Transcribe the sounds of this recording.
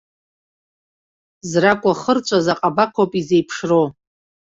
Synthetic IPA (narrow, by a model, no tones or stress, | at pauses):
zrakʷʼaχərt͡ʃʷʰʼazaqʼabakʷʰopʼizejpʰʂrow